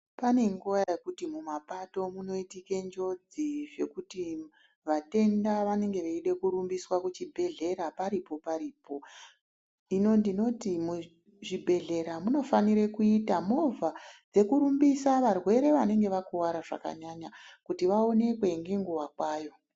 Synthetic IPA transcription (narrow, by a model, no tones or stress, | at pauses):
pane̞ŋɡujajekutimumapato̞muno̞itike̞ɲd͡ʒo̞d͡ziʐe̞kuti | ʋate̞ndaʋane̞ŋɡe̞ʋeiɗe̞kuɾumbiswakut͡ʃibʱe̞ɮe̞ɾapaɾipo̞paɾiːpo̞ | ino̞ndino̞timu | ʐibʱe̞ɮe̞ɾamuno̞faniɾekuitamovad͡ze̞kuɾumbisaʋarwe̞ɾe̞ʋane̞ŋɡe̞ʋakuwaɾaʐa̰ka̰ɲaɲakutiʋao̞ne̞kwe̞ŋɡeŋɡuwakwaːjo̞